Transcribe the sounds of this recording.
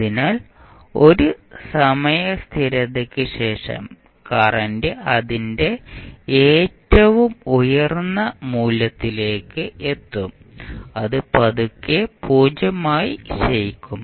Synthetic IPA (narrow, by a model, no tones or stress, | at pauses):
ɐðinaːl | o̞ɾusɐmɐjɐst̪ʰiɾɐðekʲːɨɕe̞ːʂɐ̰m | kɐrɐndɨɐðinde̞eːtːɐʋumujɐrnːɐmuːlːɐt̪ːile̞ːkːɨet̪ːum | ɐðɨpɐðukːepʰuːd͡ʑɐmaːjiɕejikʲːum